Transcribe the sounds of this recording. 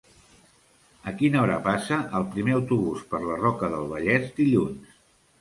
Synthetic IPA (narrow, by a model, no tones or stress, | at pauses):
əkinəɔɾə̰pasəʔəlˠpɾimeəwt̪uβuspəɾlərɔkəðəlˠβəʎɛzd̪iʎuns